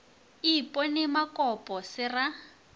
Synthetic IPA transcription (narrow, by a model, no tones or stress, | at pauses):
ipʼɔnɪmakɔpʼɔsɪra